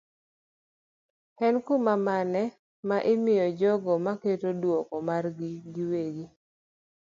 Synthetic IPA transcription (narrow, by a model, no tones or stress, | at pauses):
hɛnkumamanɛ | maʔɪmɪjɔd͡ʒɔɡɔmaketodwɔkɔmarɡɪɡɪweɡi